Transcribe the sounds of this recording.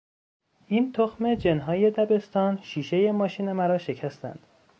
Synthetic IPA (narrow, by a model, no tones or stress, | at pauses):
ʔint̪ʰoxme̞d͡ʒe̞nɦɒːje̞d̪æbe̞st̪ɒːnʃiːʃe̞je̞mɒːʃiːnemæɾɒːʃe̞cʰæst̪æ̰nd̪̥